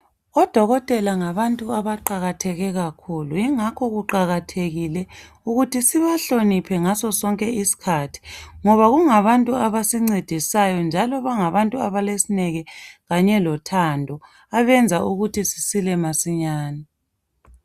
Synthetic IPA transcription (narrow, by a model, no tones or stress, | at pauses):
ɔd̥ʱɔɣɔtʼɛlaŋaβantʼuaβaǃaɣatʰɛɣɛɣakʰuluiŋakʰɔɣuǃaɣatʰeɣilɛ | uɣutʰisiβaɬonipʰɛŋasɔsɔŋkʼɛisi̥kʰatʰi̥ŋɔβaɣuŋaβantʼuaβasiŋ͡ǀid̥ʱisajɔnd͡ʒʱalɔβaŋaβantʼuaβalesinɛɣɛɣaɲɛlɔtʰandʱɔ | aβɛnd͡zʱaʔuɣutʰisi̥silɛmasiɲaːni